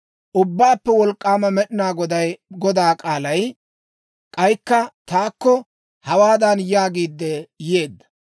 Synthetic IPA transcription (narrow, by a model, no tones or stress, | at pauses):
ʔʊbːaːpːɛwɔlkʼːaːmɐmɛɗɪnaːɡɔd̪ɐjɡɔd̪aːkʼaːlɐj | kʼɐjkːɐt̪aːkːɔ | hɐwaːd̪ɐnjaːɡiːd̪ːɛje̞ːd̪ːɐ̥